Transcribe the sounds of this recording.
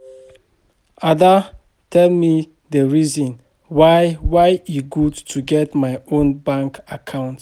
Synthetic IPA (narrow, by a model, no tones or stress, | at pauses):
ada | tʰɛlmi | dəɹizɔ̃n | wajwaɪiɡudtʰuɡɛtmaɪõnbãŋkakʰãʊ̃nt